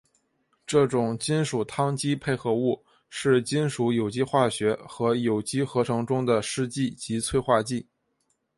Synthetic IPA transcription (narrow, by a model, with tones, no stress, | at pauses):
ʈ͡ʂɤ˥˩ʈ͡ʂʊ˨˩ŋt͡ɕi˥nʂu˨˩t̪ʰɑ˥ŋt͡ɕi˥pʰe˥˩ɪxɤ˧˥u˥˩ | ʂɻ̩˥˩t͡ɕi˥nʂu˧˥jo˨˩ʊt͡ɕi˥xwa˥˩ɕɥɛ˧˥xɤ˧˥jo˨˩ʊt͡ɕi˥xɤ˧˥ʈ͡ʂʰɤ˧˥ŋʈ͡ʂʊ˥ŋd̪ə˨ʂɻ̩˥˧t͡ɕi˥˩t͡ɕi˧˥t͡sʰwe˥˧ɪxwa˥˧t͡ɕi˥˩